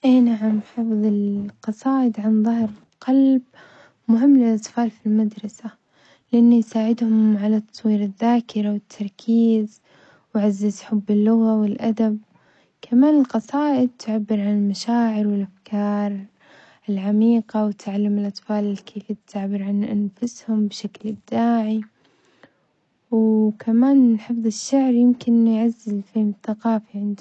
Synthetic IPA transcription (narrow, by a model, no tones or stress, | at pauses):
ʔanaʕamħɑfɨðˤɪlqɑsˤɑːʔɪd̪ʕanðˤɑhɾ | qɑlb | mʊɦɪmːlɪlʔɑt̪ˤfɑːlfilmad̪ɾˤɑsa | lɪʔanːijsaːʕɪd̪hʊmʕalat̪ːɑ̥sˤwiːɾɪðːaːkɪɾawɪt̪ʰːɑɾˤkʰiːz | wʕazːɪzħʊbːɪlːʊɣawɪlʔad̪ab̚ | kʰamaːnɪlqɑsˤɑːʔɪd̪̚t̪ʰʊʕabːɪɾʕanɪlmaʃaːʕɪɾwɪlʔafkʰɑːɾˤ | ɪlʕamiːqawt̪aʕalːʊmɪlʔɑt̪ˤfɑːlɪlkʰeːfiːt̪t̪ːɪʕbːɪɾʕanʔanfʊshʊmbʃaklɪb̚t̪aːʕi | wkʰamaːnħɨfðˤɨʃːaʕɾjɪmkɪnːjʕazːɪlfiːmθaqɑːfiʕɪnd̪